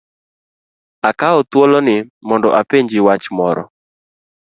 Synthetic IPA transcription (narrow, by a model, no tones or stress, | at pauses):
akaɔt̪wɔlɔnɪmɔndɔʔapeɲd͡ʒɪwat͡ʃmɔɾɔ̰